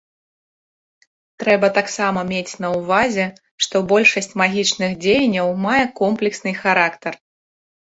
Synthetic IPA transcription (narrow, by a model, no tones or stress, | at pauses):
t̪ɾɛbɐt̪aksamɐmʲet͡sʲn̪ɐwvazʲɛ | ʂt̪ɔbɔlʲʂɐsʲt͡sʲmaɣʲit͡ʂnɨxd͡zʲejɐnʲːɐwmajɛkɔmplʲɛksnɨjxaɾakt̪ɐr